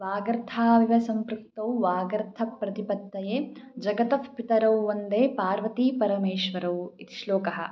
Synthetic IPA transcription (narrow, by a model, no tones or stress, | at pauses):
ʋaːɡɾt̪ʰaːʋiʋɐsɐmpɾukt̪ɐwʋaːɡɐɾt̪ʰɐpɾɐt̪ipɐt̪ːɐjeːd͡ʒɐɡɐt̪ɐfpit̪ɐɾɐwːɐnd̪eːpaːɾʋɐt̪iːpɐɾɐmeːʃʋɐɾɐwit̪i̥ʃloːkɐɦɐ̰̆